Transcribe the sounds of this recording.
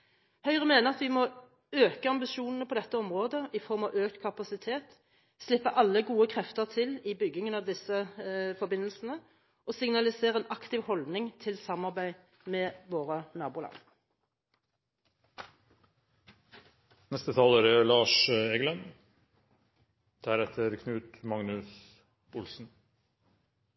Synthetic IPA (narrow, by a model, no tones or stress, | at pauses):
hœʏʁəmeːnəʁɑt̪ʋɪmɔ | øːkəɑmbɪʃuːnn̩əpʰɔd̪ɛt̪ːəɔmʁoːd̪əʔɪfɔʁmɑʋøːkt̪kʰɑpɑsɪt̪ʰeːt̪ | slɪpːəʔɑlːəɡuːəkʰʁɛft̪əʁt̪ʰɪlɪbʏɡːɪŋənɑʋd̪ɪsəfɔbɪnːəlsn̩ə | ʔɔsɪŋnɑlɪseːʁəɛːnɑkt̪ɪʋhɔld̪nɪŋt̪ʰɪlsɑmɑʁbæɪ | meːʋoːʁənɑːbuːlɑ̰n | nɛst̪ət̪ʰɑːləɾælɑːʃeɡlɛn | d̪̥æɾɛt̪ʰəɾkʰnʉːt̪mɑŋnʉs | ʊlsn̩